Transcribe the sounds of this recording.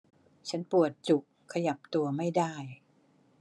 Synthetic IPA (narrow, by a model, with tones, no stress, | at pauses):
t͡ɕʰa˦˥npu˨˩ət̪̚t͡ɕu˨˩kʰːa˧ja˨˩p̚t̪u˧ɐma˥˩jdaː˥˩j